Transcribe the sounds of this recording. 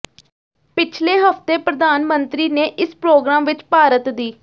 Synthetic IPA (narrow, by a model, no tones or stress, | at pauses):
pɪt͡ʃʰleːɦəft̪eːpɾəd̪aːnmənt̪ɾiːneːʔɪspɾoːɡɾaːmʋɪt͡ʃpaːɾət̪d̪iː